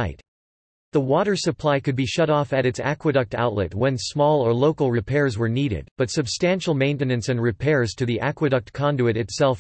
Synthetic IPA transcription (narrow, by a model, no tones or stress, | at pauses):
ɪt̪ | ðəwɔɾə˞sɨpʰl̥aɪkɨd̚biʃʌɾɔfɨɾɨtsæ̰kwɨɾʌk̚ta̰ʊtˡlɨ̰t̚wə̃nsmɔlˠə˞loʊkl̩ˠɹɨpʰɛɹzwə˞niɾɪ̰d̚b̥ʌtsɨbstæ̃nʃl̩ˠmẽɪ̃ntɨnɨ̃nsɨ̃nɹɨpʰɛɹz̥tʰɨðiʔækwɨɾʌk̚t̚kʰɑ̃ndʉɨɾɨtsɛlˠf